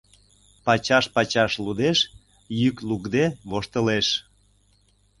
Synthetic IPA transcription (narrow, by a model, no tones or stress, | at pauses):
pɑt͡ɕɑʃpɑt͡ɕɑʃlud̪eʃ | jyklukd̪eβoʃt̪ə̆leʃ